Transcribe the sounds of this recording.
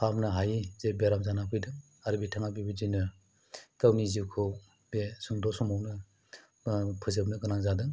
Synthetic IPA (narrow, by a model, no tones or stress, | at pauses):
pʰamnɯɦajizebeɾamzanapʰɯjdɯŋ | aɾɯbitʰaŋabibid͡ʒinɯ | tawniziwkʰɯw | besuŋdɔsɔmawnɯ | pʰɯzɯbnɯɡɯnaŋzadɯŋ